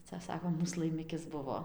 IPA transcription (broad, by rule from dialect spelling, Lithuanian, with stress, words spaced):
ˈt͡sɐ ˈsɑːkoːm ˈmuːs lˠɐɪˈmʲɪkʲɪs ˈbʊʋoː